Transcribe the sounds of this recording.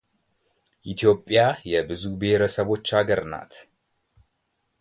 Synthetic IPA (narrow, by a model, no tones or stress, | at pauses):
ʔit̪ʰjo̞pʼːjajɛbɨzube̞hɾəsəβo̞t͡ʃːaɡəɾna̰t̪